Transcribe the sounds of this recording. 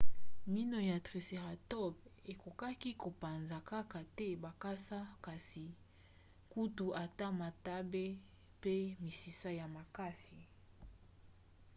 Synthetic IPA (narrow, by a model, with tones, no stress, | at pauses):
mi˦no˨ja˨tʁe˨se˨ʁa˨tɔ˦be˨ko˨ka˦ki˦ko˨pa˨nza˨ka˦ka˨tɛ˦ba˨ka˦sa˦ka˨si˨ | ku˦tu˨ʔa˨ta˦ma˨ta˦be˦ | pe˦mi˨si˨sa˦ja˨ma˨ka˦si˨